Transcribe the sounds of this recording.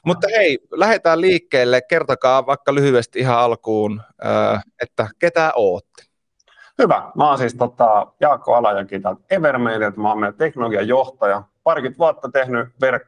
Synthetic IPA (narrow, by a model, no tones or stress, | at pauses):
mut̪ːɑheilæhet̪æːlliːkːeːlːekkert̪okɑːʋɑˑikːɑlyhyest̪iiɦɑɑlkuːn | ø̰ːet̪ːæket̪æʔoːt̪ːe̥ | hyʋæ̰mæonsist̪ot̪ɑjɑːkːo̰ɑlɑjɑŋkiːt̪ɑt̪eʋermeinet̪mɑmet̪eknoloɡiɑjoht̪ɑjɑpɑrkyt̪ʋuɑt̪ːɑt̪ehnyʋerkː